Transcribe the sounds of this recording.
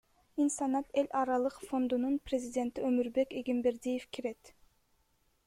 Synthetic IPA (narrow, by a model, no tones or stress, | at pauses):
insɑnɑt̪e̞lʲʔɑɾɑlˠɯqfo̞nd̪ununprʲezʲidʲe̞nt̪iømyɾbe̞keɡimbe̞ɾd̪ijefkiɾe̞t̪